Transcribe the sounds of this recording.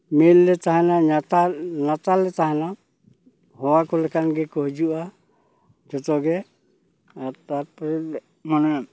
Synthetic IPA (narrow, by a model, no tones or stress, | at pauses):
milːɛt̪aɦɛnaatanat̪alɛt̪aɦɛna | hɔwakɔlɛkʰanɡɛkɔɦd͡ʒuʔa | d͡ʒɔt̪ɔɡɛ | aɾt̪aɾpɔɾɛt̪ | manɛ